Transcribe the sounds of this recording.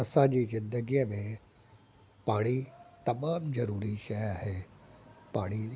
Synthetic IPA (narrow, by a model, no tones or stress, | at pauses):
ɐsãd͡ʑizɪ̃nd̪əɡimẽ | paːɽ̃it̪ɐmaːmzɐɾuːɾiʃɐjaːɦe | paːɽ̃i